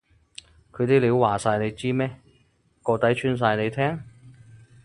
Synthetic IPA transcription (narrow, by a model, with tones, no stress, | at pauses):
kʰɵ˨˧ɥt̪i˥liː˨˧˥wwaː˨˩saː˧jne˨˧jt͡siː˥mɛː˥ | kɔː˧t̪ɐ˨˥jt͡ʃʰyː˥ns̬aː˧jne˨˧jt̪ʰɛː˥ŋ